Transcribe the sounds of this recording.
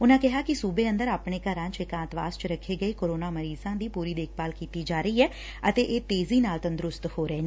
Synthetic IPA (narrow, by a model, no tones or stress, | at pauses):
ʊnãːkɪɦaːkɪsuːbeːə̃nd̪əɾaːpɳeːkəɾãːt͡ʃɪkãːnt̪ʋa̰ːst͡ʃɾəkʰːeːɡəeːkoːɾoːnaːməɾiːzãːd̪iːpuːɾiːd̪eːk̚ʰbaːlkiːt̪iːd͡ʒaːɾəiːɛː | ət̪eːʔeːt̪eːziːnaːlt̪ənd̪ɾʊst̪hoːɾɛeː